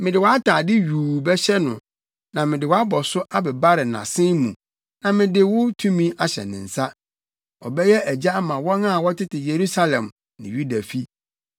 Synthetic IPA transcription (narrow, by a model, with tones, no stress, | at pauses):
mɪ̃˨dɪ˨wɔ˨˦a˦tʰaː˨dɪ˦ɥuː˨bɛ˦ɕɛ˦nʊ̰̃˨ | nã˨mɪ̃˨dɪ˨wɔ˨˦a˦bɔ˨sʊ˦ʔa˦bɛ˨ba˦ɾɪ˨nã̰˨sɪ̃˦mũ˨ | nã˨mɪ̃˨dɪ˨wʊ˦tʰũ˦mĩ˦a˦ɕɛ̰˨nɪ̰̃˨n̩˨sa˦ | ɔ̰˨bɛ˦jɛ˦æ˨d͡ʑa˦mã˨wɔ̃˦nã˦˨wɔ˦tʰɪ˦tʰɪ˨je˨ɾu˦sa˦lɛ̃˨m | nɪ̰̃˨ɥu˦da˨fi˦